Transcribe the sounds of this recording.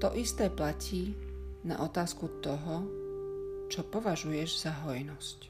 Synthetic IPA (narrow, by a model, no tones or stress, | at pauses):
t̪ɔʔist̪ɛːplacʰiːna̰ʔɔt̪aːskut̪ɔɦɔ | t͡ʃɔpɔʋaʒujɛʒz̥aɦɔjnɔsc